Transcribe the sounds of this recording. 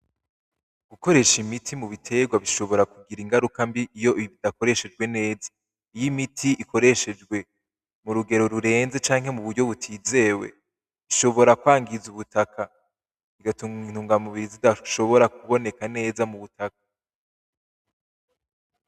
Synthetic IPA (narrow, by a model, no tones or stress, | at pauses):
ɡ̥uko̞ɾe̞ʃimitʰimuβitʰe̞ɡwaβiʃo̞βo̞ɾakuɡiɾiŋɡaɾukambiʔːjo̞iβiβidako̞ɾe̞ʃe̞d͡ʒɡwe̞ne̞ːzḁ | ijimitʰiʔikʰo̞ɾe̞ʃe̞d͡ʒɡwe̞ | muɾuɡe̞ɾo̞ɾuɾe̞ːnze̞t͡ʃaːŋɦe̞muβuɾɟo̞βutʰiːze̞ːwe̞̰ | βiʃo̞βo̞ɾakwaːŋɡizuβutakʰa | iɡatuŋin̥huːŋɡamuβiɾizidaʃo̞βo̞ɾak̚uβo̞ne̞kane̞ːzamuβutak̚ḁ